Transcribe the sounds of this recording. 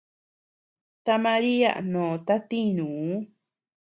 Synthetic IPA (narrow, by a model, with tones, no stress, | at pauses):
t̪a˧mã˧ɾi˦a̰˦˨ʔnõ˨t̪a˦t̪ĩ˦˨nũ˨u˦